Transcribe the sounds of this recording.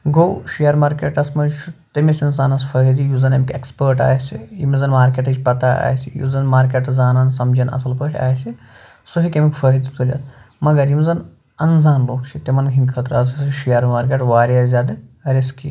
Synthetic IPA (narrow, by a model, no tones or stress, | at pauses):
ɡowʃijɐɾmaːɾkeːʈɐsmɐzt͡ʃʰut̪ɐmisɐnsaːnɐsfɐɦd̪ijuzɐnɐmkʲekspəɾʈa̰ːjsʲijḭmzɐnmaːɾkʲeːʈɐt͡ʃʲpɐt̪aa̰ːjsijṵːzɐnmaːɾk̬ʲeʈd͡zaːnaːnsɐmd͡ʒɐnɐ̰sɐlpəʈʰʲa̰ːjsi | suɦikʲemikfəɦd̪it̪ʰulʲa̰smɐɡɐɾimzɐn | ɐnzaːnloːkt͡ʃʰit̪emɐnɡʰʲiŋkʰɐt̪ɾɐɐsɐsʃijɐɾmaːɾk̬ʲeʈʋaːɾazʲaːd̪ɐɾiski